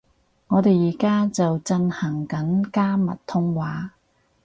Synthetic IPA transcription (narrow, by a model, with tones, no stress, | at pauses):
ŋɔː˨˧t̪e˨jiː˨˩kaː˥t͡sɐ˨wt͡sɐ˧nhɐ˨˩ŋkɐ˨˥nkaː˥mɐ˨t̚t̪ʰʊ˥ŋwaː˨˥